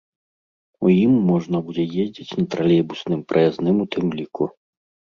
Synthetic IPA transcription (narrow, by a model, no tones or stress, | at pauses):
ujimːɔʐnɐbud͡zʲɛjezʲd͡zʲit͡sʲnɐt̪ɾalʲɛbusnɨmpɾʔɐjaznɨmut̪ɨmlʲiku